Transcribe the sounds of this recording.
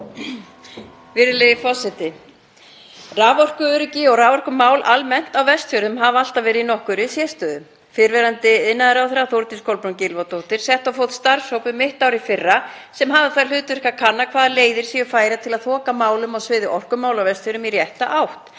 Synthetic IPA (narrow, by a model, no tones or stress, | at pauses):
vɪɾɪlejɪfɔsɛt̪ɪ | raːvɔr̥kʏœːɾʏcɪɔwraːvɔr̥kʏmːaːwlʔalmɛn̥t̪awvɛst̪fœɾʏmɦaval̥t̪avɛːɾɪðinɔhkʏɾɪsjɛst̪œːðʏm | fɪɾvɛɾant̪ɪɪnːaðɪɾawθɛɾawθowɾt̪inskʰɔwlpɾuncɪlvat̪owht̪ɪɾ̥sɛht̪awfowt̪st̪aɾsowpʏmɪht̪aːwɾifɪrːa | sɛmɦavaθaɾl̥ʏːt̪vɪr̥kakʰanːakʰvaːðaleːjðɪɾ̥siːjʏfaːjɾat̪ʰɪlaðθɔːkamaːwlʏmaɣsvɪːðɪʔɔr̥kʏmːaːwlawvɛst̪fœɾʏmirjɛht̪a̰ʔawht̪